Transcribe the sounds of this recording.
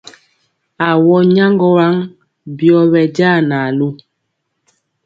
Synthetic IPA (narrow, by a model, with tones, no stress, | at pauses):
a˨wɔ˦ɲa˦ŋɡɔ˦wa˦ŋ | bjɔ˦βɛ˨ɟaː˦˨na˨lu˦